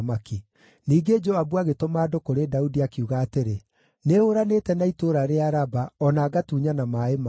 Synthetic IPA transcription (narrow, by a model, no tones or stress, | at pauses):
maki | niːɡed͡ʒoabuaɣetomaːdokoɾedaudiakiuɣaːteɾe | neoɾanetɛnaitoɾaɾeaɾabaɔnaːɡatuːɲanamaema